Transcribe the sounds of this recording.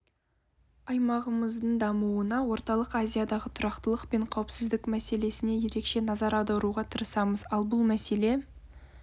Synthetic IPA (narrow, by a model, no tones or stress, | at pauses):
ɑjmɑʁəməzd̪əɴd̪ɑmuwənɑwo̞ɾt̪ɑlˠəqazʲijad̪ɑʁət̪ʰʊɾɑqt̪əlˠəqpe̞ɴqʰɑwəpsɪzd̪ɪkmæse̞le̞sɪne̞je̞ɾe̞kʃe̞nɑzɑɾɑd̪ɑɾuʁɑt̪ʰəɾəsɑməzɑlˠbʊlˠmæse̞le̞